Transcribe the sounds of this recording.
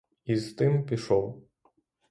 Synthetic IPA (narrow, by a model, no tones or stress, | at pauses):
izt̪ɪmpʲiʃɔw